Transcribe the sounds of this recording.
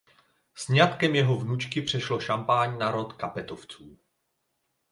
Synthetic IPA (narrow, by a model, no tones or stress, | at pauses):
sɲat̪kɛmjɛɦo̞vnut͡ʃkɪpr̝̥ɛʃlo̞ʃampaːɲnaɾo̞t̪kapɛt̪oft͡suː